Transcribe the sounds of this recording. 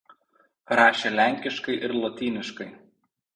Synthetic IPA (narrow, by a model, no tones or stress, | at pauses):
ɾɑːʃʲelʲæˑŋʲkʲɪʃkɐɪʔɪɾlˠɔt̪ʲiːnʲɪʃkɐɪ